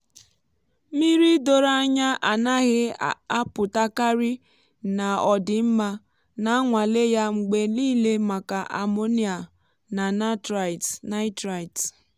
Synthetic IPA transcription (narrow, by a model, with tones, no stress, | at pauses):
mi˦ɾi˦do˦ɾa˦ɲa˦ʔa˨na˦ɣɪ˦a˦pʊ˨ta˦ka˦ɾi˦ | na˨ɔ˨dɪ˨m̩˦ma˦ | na˨a˦ŋʷa˨le˦ja˦ŋ͡m̩˨ɡ͡be˦liː˦le˦ma˨ka˨ʔa̰˨mo˦ni˦a˨ | na˨na˦tɾa˨tna˦ɪ˦tɾa˨i˨t